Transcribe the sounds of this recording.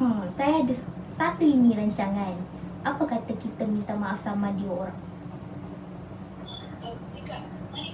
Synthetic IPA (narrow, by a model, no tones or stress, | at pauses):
əsajadəssat̪uiniɾaɲt͡ʃaŋanʔapakat̪əkit̪əmint̪amaʔafsamadiɔr | usika